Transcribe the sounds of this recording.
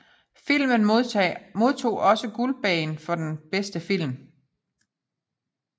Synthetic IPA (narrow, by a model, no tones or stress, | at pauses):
fil̰mənomo̝ð̞ˠt͡sʰo̝̰ːʔɒ̽səɡ̥ulb̥ɛ̰ːnfɒ̽d̥enb̥esd̥əfil̰m